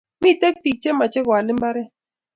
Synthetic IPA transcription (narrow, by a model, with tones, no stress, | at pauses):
mi˦˨te˦k̚pi˨k̚t͡ʃe˦ma˨t͡ʃe˦ɡwa˨lɪ˦mba˦ɾɛ˦